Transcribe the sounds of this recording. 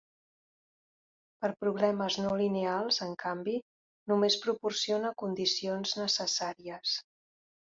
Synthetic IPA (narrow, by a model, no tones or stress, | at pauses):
pəɾpɾuβ̞lɛməznolinealˠzəŋkambi | numespɾupursionəkund̪isionznəsəsaɾiəs